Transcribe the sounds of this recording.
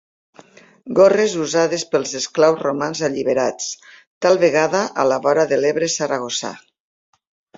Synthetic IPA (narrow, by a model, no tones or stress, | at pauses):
ɡorezuzaðespelˠzesklawzromanzaʎiβeɾat͡st̪alˠβeɣaðaʔalaβɔɾaðeleβɾesaɾaɣ̞osa̰